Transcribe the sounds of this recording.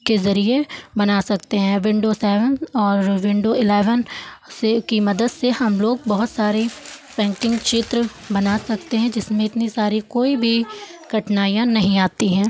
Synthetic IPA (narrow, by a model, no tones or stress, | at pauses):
kezɐɾiebɐnaːsɐk̚t̪eɦɛ̃ːʋɪ̃ɳɖosɛːʋə̃nɔːɾʋɪ̃ɳɖoɪlɛːʋənsekimɐd̪əd̪sehɐmloːɡ̚bɐɦʊt̪saːɾipɛ̃ːŋkɪ̃ŋɡt͡ʃɪt̪ɾə | bɐnaːsɐk̚t̪eɦɛ̃d͡ʒɪsmẽɪt̪nisaːɾikoːibʱiɡ̥ɐʈnaːijãnɐɦĩaːt̪iɦɛ̃ː